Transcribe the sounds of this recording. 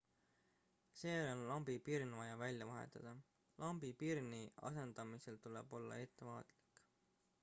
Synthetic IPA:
seːonlɑmbipirnvɑjɑvælʲjɑvɑɦḛt̪ːˑɑd̪̥ɑ | lʔɑmbipirniɑ̰se̞nd̪̥ɑmise̞lt̪ule̞̰b̥o̞lːɑ̰e̞t̪ːˑe̞mɑːt̪ˑli̥k

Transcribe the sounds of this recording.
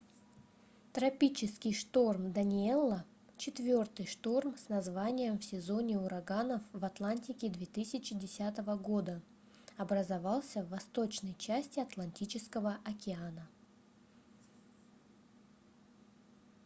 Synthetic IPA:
t̪ɾɐpʲit͡ɕɪskʲɪjʂt̪o̞rmd̪ənʲɪelˠːə | t͡ɕɪt̪vʲo̞rt̪ɨjʂt̪o̞rmsnɐzvanʲɪjəmfsʲɪzo̞nʲɪʊɾɐɡanəfvɐt̪lˠanʲtʲɪkʲɪd̪vʲet̪ɨsʲɪt͡ɕɪdʲɪsʲat̪əvəɡo̞d̪ə | ɐbɾəzɐvɑlˠsʲəvːɐst̪ot͡ɕnəjt͡ɕæsʲtʲɪɐt̪lˠɐnʲtʲit͡ɕɪskəvəʔɐkʲɪanə

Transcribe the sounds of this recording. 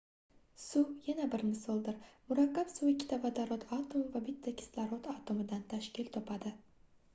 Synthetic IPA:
sujanabɪɾnɪsolˠd̪ɪɾmʊɾakʲːapsuɪkʲʰːɪ̥t̪ʰavad̪aɾot̪ʰat̪ʰomvabɪt̪ʰːakʲʰɪ̥slaɾɒt̪at̪ʰomɪd̪ant̪ʰaʃkʲɪlt̪ʰɒpʰad̪ɪ

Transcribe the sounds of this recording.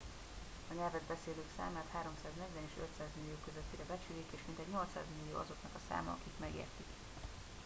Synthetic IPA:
ɒɲɛlvɛd̪bɛseːløːksa̰ːmaːt̪haːɾo̞msaːznɛɟvɛneːʃøt̪saːzmilːijoːkøzøt̪ːidɛbɛt͡ʃyːleːkeːʃmint̪ɛɟɲo̞lt̪sa̰ːzmilːijo̰ːɒzo̞knɒkɒsa̰ːmɒɒkikmɛɡḛːrt̪ik

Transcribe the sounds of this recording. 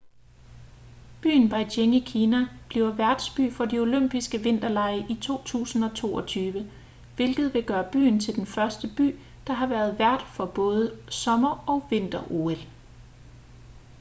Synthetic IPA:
b̥y̰ːnb̥ɑ̈ɪdeŋikʰiːnæb̥liʊɐʋæɐd̥sb̥y̰ːfɒ̽dio̝løm̰b̥isɡ̥əʋe̝n̰d̥ɐlɑ̈ɪəʔit͡sʰo̝̰ːt͡sʰṵːsn̩ɒ̽t͡sʰo̝̰ːɒ̽t͡sʰyːʋə | ʋe̝lɡ̥ð̞̩ˠʋe̝ɡ̥ɶːɐb̥y̰ːnt͡sʰe̝ld̥enfɶɐsd̥əb̥y̰ː | d̥ɑ̈ɦɑ̈ʋæːɐð̞̩ˠʋæɐd̥fɒ̽b̥ɔ̽ːð̞ˠəsɒ̽mɐɒ̽ʋe̝n̰d̥ɐʔo̝̰el

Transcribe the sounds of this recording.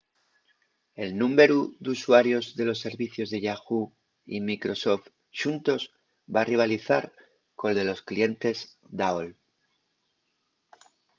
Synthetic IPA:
e̞lnũme̞ɾuðuswaɾjo̞zðe̞lo̞sːe̞ɾβiθjo̞zðe̞ʝaxu | imikɾo̞so̞ft̪ | ʃunt̪o̞z | bariβ̞aliθaɾ | ko̞lðe̞lo̞sklije̞nt̪e̞z | d̪aol

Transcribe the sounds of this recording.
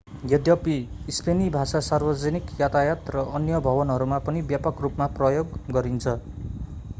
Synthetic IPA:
ɡjʌd̪jʌpiːspʰenibʱasasarbʌd͡zʌnikjat̪ajat̪rʌʔʌnjʌbʱʌbʌnɦʌɾumapʌnibjapʌkrupmaprʌjoɡɡʌɾint͡sʰʌ

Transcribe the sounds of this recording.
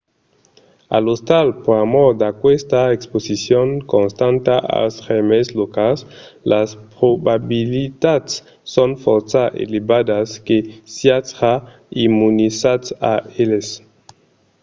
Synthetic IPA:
a̰lost̪alpoɾamɔɾd̪akwest̪aeksposisjoŋkõnst̪ãnt̪aʔa̰lsʁemeslokalslaspɾobabilit̪at̪sː | onfɔɾsaʔḛlebad̪askesjatɾa | imunisat͡saeles

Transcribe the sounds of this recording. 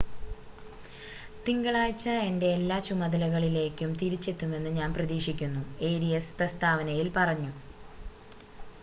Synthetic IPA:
t̪iŋɡɐɭaːjt͡ɕːɐe̞nde̞ːlːaːt͡ɕumɐðɐlɐɣɐɭile̞ːkʲːumt̪iɾit͡ɕːe̞t̪ːume̞nːɨɲaːnprɐðiːʂikʲːunːue̞ːɾijesprɐst̪aːʋɐnɐjilpɐrɐɲːu

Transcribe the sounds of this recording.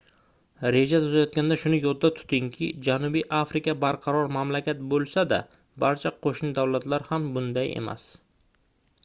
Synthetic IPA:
ɾe̞d͡ʒat̪ʰʊzajɒt̪̚kʲand̪aʃʊnɪjɒd̪ːat̪ʰʊ̥t̪ʰɪŋkʲʰɪd͡ʒanʊbijʔafɾɪkʲabaɾqʰɑɾɒɾmamlakʲat̪̚bolˠsad̪a̰ | baɾt͡ʃʰaqʰoʃnɪd̪awlat̪laɾhambʊnd̪aje̞̰ma̰s

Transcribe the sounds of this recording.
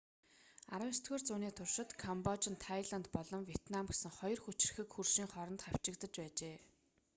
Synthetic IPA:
aɾə̆st̪ɡeːrt͡suːniːt̪ʰʊrʃɪ̆t̪kʰɔmpɔt͡ɕɪ̆nt̪ʰajɮant̪pɔɮɞ̆mwiet̪namɡesɘ̆ŋχɔjɞ̆rxut͡ɕɪ̆r̆xɘ̆kxurʃiːŋχɔɾɞ̆nt̪χaw̥t͡ɕɪ̆kt̪ə̆t͡ɕpæːt͡ɕeː

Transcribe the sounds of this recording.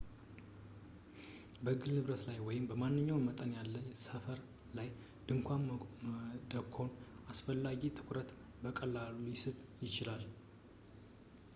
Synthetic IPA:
bəɨɡɨlnɨβɾət̪lajwɔjɪmbəmanːɨɲːawmət̪ʼənjalːəɲsəfəɾ | laj | d̪̥ɨŋkʷʰam | d̪əkʰːo̞nasfəlːaɡit̪ʰɨ̥kʷʰʼɾət̪ | bəkʼəlːalujɪsɨβjɪt͡ʃɪlal

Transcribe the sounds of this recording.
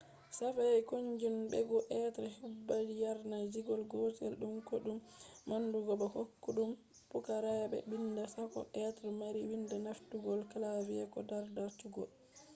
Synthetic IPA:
safajajkoɲd͡ʒumbɛɡɔʔɛtɾɛhubːad͡ʒijaɾnad͡ʒiɡɔlɡɔtɛlɗumkoɗumː | anduɡɔbɛhokːuɗum | pukaɾajabɛ̰bindasakɔ̰ʔɛtɾɛmaɾiwindanaftuɡɔlkalaviɛkɔdaɾdaɾtuɡɔ̰l

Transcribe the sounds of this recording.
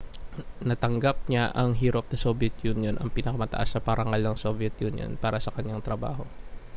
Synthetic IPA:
nɐt̪ɐŋɡap̚ɲaʔɐŋɦiːɾɐp̚d̪ɐsobɛt̪junjonʔɐŋpɪnɐkɐmɐt̪ɐʔa̰snɐpɐɾʔɐŋalnɐŋsovjɛt̪̚juːnjo̰npaːɾɐsɐkɐɲːaŋt̪ɾɐba̰ːɦo̞

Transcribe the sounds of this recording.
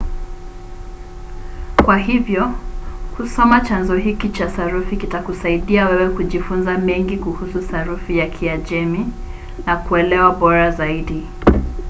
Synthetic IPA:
kwaɦivjɔhusɔmat͡ʃanzɔɦikit͡ʃasaɾufikitakusaiɗiawɛwɛkuʄifunzamɛŋɡikuhusuθaɾufijakʰiad͡ʒɛmi | nakuɛlɛwaɓɔɾazaiɗi

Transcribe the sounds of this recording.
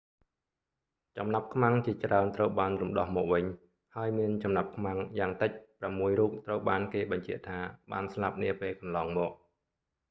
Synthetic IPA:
t͡ɕɑmnap̚kʰmaŋt͡ɕiət͡ɕraənt̪rəwɓaːnrumɗɑhmɔːk̚ʋɨɲ | haəjmiənt͡ɕɑmnap̚kʰmaŋjaːŋt̪ɨc̚pramːuəjruːp̚t̪rəwɓaːnkeːɓɑɲt͡ɕɛ̆əʔt̪ʰaːɓa̰ːnslap̚niəpeːlkɑnlɑːŋmɔːk̚

